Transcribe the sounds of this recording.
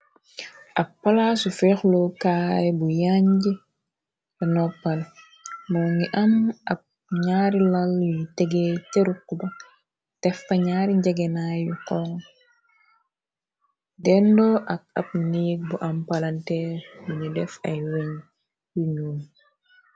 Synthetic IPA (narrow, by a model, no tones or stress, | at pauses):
ʔɐpːalasufɛxlɔkaːjbujaɲɟi | ɛnɔpːal | mɔːŋiʔanɐp̚ | ɲaːɾilaljitɛɡeteɾukːubɐ | tɛfːɐɲaːɾiɲɟɐɡɛnajukɔŋ | dɛndɔʔɐk̚ɐp̚niːk̚buʔampalantɛbuɲudɛfɐjweɲ | juɲuːn